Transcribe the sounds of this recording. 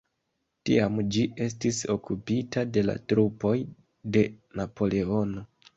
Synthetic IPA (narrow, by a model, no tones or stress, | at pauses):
tiamd͡ʒiʔe̞s̬tiso̞kupitade̞la̰tɾupo̞j | de̞napo̞le̞o̞no̞